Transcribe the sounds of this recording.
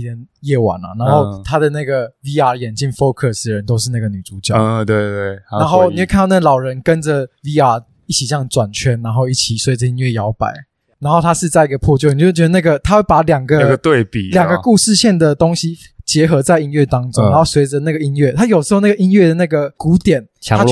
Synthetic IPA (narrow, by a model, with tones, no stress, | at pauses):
i˩ə˧˦njɛ˥˩wa̰˨˩˦nɐ̰˨na˧˥nxo˥˧ʊt̪ʰa˥d̪ə˨na˥˩ɡə˩vi˥a˨˩jɛ˨˩nt͡ɕi˥˩nfo˥kʰə˥˩s̩˨˩ɻə˧˦nt̪o˥ʊʂɻ̩˥˧na˥˩ɡə˩ny˨˩t͡su˧˥t͡ɕjɑ˥˨˩t̪we˥˧ɪt̪we˥˩ɪa˧˦nxo˥˩ʊni˨˩we˥˧kʰa˥˧n˥˧na˥˩ɡə˨lɑ˨˩ʊɻə˧˦nkə˦nd͡zə˨vi˥a˨˩ | i˥˩t͡ɕʰi˨˩ɕjɑ˥˩ŋt͡swa˨˩nt͡ɕʰɥɛ˦˥nɻa˧˥nxo˥˧ʊi˥˩t͡ɕʰi˨˩swe˧˥ɪd͡zə˨i˦˥nɥɛ˥˩jɑ˧˥ʊpa̰˨˩˦ɪ | na˧˥nxo˥˩ʊt̪ʰa˥ʂɻ̩˥˧t͡sa˥˩ɪi˦˥ɡə˨pʰwɔ˥˧t͡ɕjo˥˨ni˨t͡ɕo˥˧˥t͡ɕjɥ̪ə˧na˥˩ɡə˩t̪ʰa˥xwe˥˩ɪpa˧˥ljɑ˨˩ŋɡə˦ɡt̪we˥˨ɪpi˨ljɑ˨˩ŋɡə˩ku˥˧ʂɻ̩˥˧ɕjɛ˥˩nd̪ə˩t̪o˥ŋɕi˦ | t͡ɕjɛ˧˥xɤ˧˥t͡sa˥˩ɪi˦˥nɥɛ˥˩t̪ɑ˥ŋʈ͡ʂʊ˥ŋna˦xo˥˩ʊswe˨˧˥ɪd͡zə˧na˥˩ɡə˨i˥nɥɛ˥˩t̪ʰa˥jo˨˩ʂʂ̩˧xo˥˧ʊna˥˩ɡə˨i˦˥nɥɛ˥˩d̪ə˩na˥˩ɡə˩ku˧˦t̪jɛ˨˩˦n | a˥